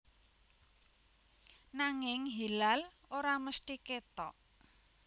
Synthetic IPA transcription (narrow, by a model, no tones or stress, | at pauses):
naŋɪŋɦilal | oɾaməst̪iket̪ɔ̰ʔ